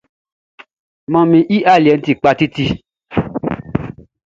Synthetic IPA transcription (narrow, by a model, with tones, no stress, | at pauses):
mɔ̃˧mĩ˧ʔi˦ʔa˦˨li˨ɛ˨n̩˦ti˨k͡pa˧ti˦ti˧